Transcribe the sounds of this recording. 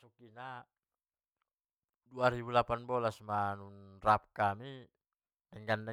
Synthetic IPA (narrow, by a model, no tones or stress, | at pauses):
sukina | duaɾibulapanbɔlasmanunrap̚kami | nɛŋɡandɛ